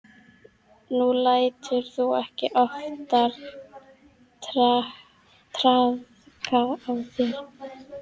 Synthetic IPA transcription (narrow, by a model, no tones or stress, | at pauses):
nulaːjt̪ʏɾ̥θuɛhcɪʔɔft̪aɾ | a | t̪ʰɾað | kʰaawθjɛɾ